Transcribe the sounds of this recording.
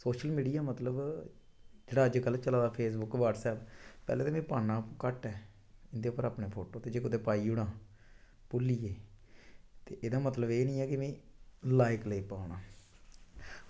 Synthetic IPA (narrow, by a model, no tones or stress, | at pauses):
soːʃəlmiːɖijaːmət̪ləb | d͡ʒeːɽaːəd͡ʒkəlt͡ʃəlaːd̪aːpʰeːs̬bʊkːʋaːʈsɛːppɛ̰ːleːt̪ːmẽːpaːnãːkəʈɛː | ɪnd̪eːʊpːəɾaːpɳeːpʰoːʈoːt̪eːd͡ʒeːkʊd̪eːpaːiːʊɽãː | pʊliːjeː | t̪ḛːʔeːd̪aːmət̪ləbeːnĩːɛːkɪmẽːlaːɪkləiːpaːɳaː